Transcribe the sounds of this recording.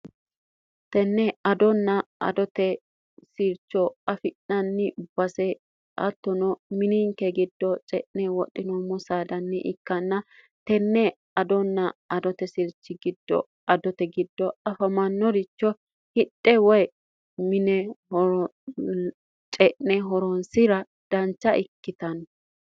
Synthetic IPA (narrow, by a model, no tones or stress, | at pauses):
t̪ɛnːɛɐd̪ɔnːɐɐ̰d̪ɔt̪ɛ | sɪɾt͡ʃːɔɐfɪʔnɐnːɪb̥ɐsɛ | ɐ̰t̪ːɔnɔmɪniŋkɛɡɪd̪ːɔt͡ʃʼɛʔnɛwɔɗɪnɔmɔsaːd̪ɐnːɪʔɪkːɐnːɐ | t̪ɛnːɛ | ɐd̪ɔnːɐɐd̪ɔt̪ɛsɪɾt͡ʃːɪɡɪd̪ːɔ̰ | ɐd̪ɔt̪ɛɡɪd̪ːɔɐfɐmɐnːɔɾɪt͡ʃːɔ | hɪɗʼːɛwɔj | mɪnɛ | t͡ʃʼɛʔnɛɦɔɾɔnsɪɾɐ | d̪̥ɐnt͡ʃːɐʔɪkːɪt̪ɐn